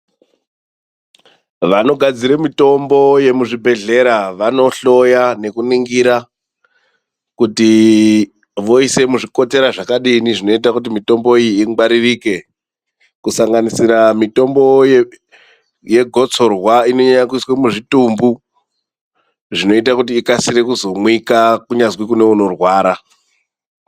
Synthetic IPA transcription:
ʋano̞ɡʱad͡ziɾemito̞mboje̞muʐibʱe̞ɮe̞ɾaʋano̞ɬo̞jane̞kuniŋɡiɾa | kuti | ʋo̞ise̞muʐiko̞te̞ɾaʐakaɗiniʐino̞it̬akut̬imito̞mbo̞ijiːɡ͡baɾiriːke̞ | kusaŋɡanisiɾamito̞mbo̞j | je̞ɡʱo̞t͡so̞rwaino̞ɲaɲak̬uiswemuʐitumbu | ʐino̞it̬akutiːkasiɾe̞kuzo̞mwikakuɲazwikune̞uno̞rwaːɾa

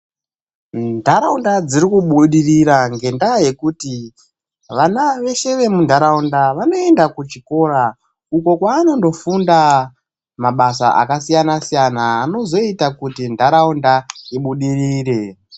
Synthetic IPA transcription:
ndʱaɾaundad͡zirikuɓuɗiriɾaŋɡe̞ndaje̞kuti | ʋanaʋe̞ʃe̞ʋe̞mundʱaɾaundaʋano̞e̞ndakut͡ʃiko̞ːɾa | uko̞kwaːno̞ndo̞funda | maɓasa̰ʔa̰kasijanasijanaːno̞zo̞itakutindʱaɾaundaiɓuɗirire̞

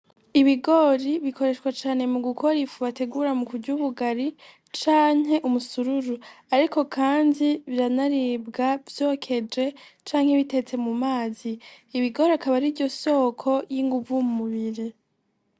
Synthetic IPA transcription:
iβiɡo̞ɾiβikʰo̞ɾe̞ʃkwat͡ʃaːne̞muɡuko̞ɾifuβate̞ɡuːɾamukuɾɟuβuɡaɾi | t͡ʃaːɲɦe̞ʔumusuɾuɾu | aɾiko̞kʰaːndiβiɾanaɾibɡavjo̞kʰe̞d͡ʒe̞t͡ʃaːŋ̥heβite̞t͡se̞mumaːziː | βiɡo̞ɾiakaβaɾiɾɟo̞so̞ːkʰo̞jiŋɡuvumumuβiɾe

